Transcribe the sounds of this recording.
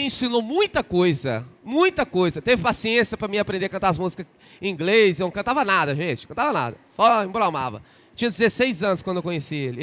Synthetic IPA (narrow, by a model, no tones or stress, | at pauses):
ĩsĩnowmũj̃t̪ɐkojzɐ̰mũj̃t̪ɐkojzɐt̪evɪpasiẽsiɐpɾɐmɪapɾẽnd̪eɐkɐ̃t̪aɐzmuzikɐ̃ | ĩŋɡles̬ɪñkɐ̃navɐnad̪ɐʒẽt͡ʃɪ̥kɐ̃nt̪avɐna̰d̪ɐsɔẽmbɾawma̰vɐ̰ | t͡ʃĩɲɐd͡ʒɪzesejzɐ̃nʊskwɐ̃d̪ewkõɲesielɪ